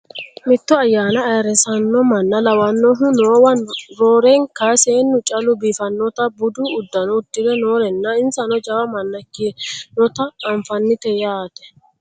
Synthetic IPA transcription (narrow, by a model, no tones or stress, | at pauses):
mɪt̪ːɔɐjːaːnɐːjɐɾɛsɐnːɔmɐnːɐlɐwɐnːɔɦʊnoːwɐnɾoːɾeŋkɐseːnːʊt͡ʃʼɐlʊbiːfɐnːɔt̪ɐbʊd̪ʊʊd̪ːɐnɔʊd̪ːɪd̪ɛnoːɾɛnːɐɪnsɐnɔd͡ʒɐwɐmɐnːɐkːɪnɔt̪ɐɐɱfɐnːɪt̪ɛjaːt̪ɛ̥